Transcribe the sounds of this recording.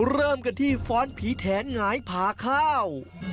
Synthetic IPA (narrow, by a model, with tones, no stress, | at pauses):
ɾɤː˥˩mka˧nt̪ʰiː˥˩fɔː˦˥npʰiː˨˦t̪ʰɛː˩˦nŋaː˩˦jpʰaː˩˦kʰaː˥˩w